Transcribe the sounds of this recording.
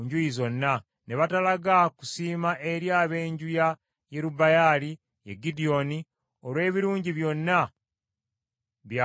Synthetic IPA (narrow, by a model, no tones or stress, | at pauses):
ɲɟujizo̞nːa | ne̞βatalaɡaku̥siːmaʔe̞ɾjaːβe̞ːɲɟuja | jeɾubajaːli | jeɡidio̞ni | olwe̞ːβiɾuːɲɟiβjo̞nːa | βja